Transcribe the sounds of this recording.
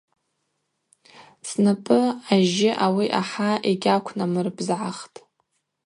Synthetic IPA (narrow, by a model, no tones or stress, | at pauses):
snɨpʼɨaʒɪʔawiʔaħaʔeɡʲakʷʰnamɨrbzʕaχtʼ